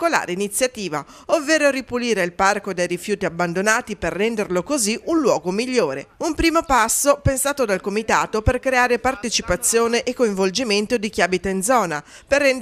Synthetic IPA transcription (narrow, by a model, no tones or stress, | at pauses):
kola̰ːɾeinit̪sːjat̪iːva | ovːeːɾoɾipuliːɾeilparkod̪ejɾifjuːt̪iabːand̪onaːt̪iperːɛnd̪erlokoziunlwɔːɡomiʎːoːɾḛumpɾiːmopasːopensaːt̪od̪alkomit̪aːt̪operkɾeaːɾepart̪et͡ʃipat̪sːjoːneʔːkːoiɱvold͡ʒiment̪od̪ik̟iabit̪aind̪zɔːna | perːɛn